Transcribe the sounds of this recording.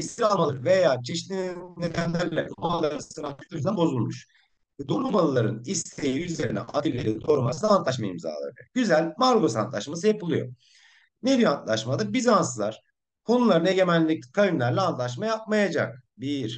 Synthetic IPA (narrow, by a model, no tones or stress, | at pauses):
ist̪iɾalˠmalˠɯɾve̞jaːt͡ʃʰeʃt̪ʲinned̪ænlʲæɾlʲɛ̰ʔmalˠaɾsɯɾanʰy̥t̪ʰyzɛnbo̞zulˠmuʃ | ɛd̪o̞ɾumalˠɯlˠaɾɯnist̪ʰejiyze̞ɾinɛ̰ʔa̰d̪ilʲːeɾid̪o̞ɾuma̰sɯnant̪lˠaʃ̬maḭmza̰ːlˠa̰ɾɯɯɟyzælʲmaɾlˠo̞sant̪lˠa̰ʃmasɯjapɯlˠujo̰ | nebiɾant̪lˠaʃmad̪abizansɯlˠaɾ̥ | kʰo̞nulˠaɾɯne̞ɟe̞mænʲːicʲkʰajɯmlʲæɾlʲɛːnt̪lˠaʃ̬majap̚majad͡ʒa̰k̚biɾ̥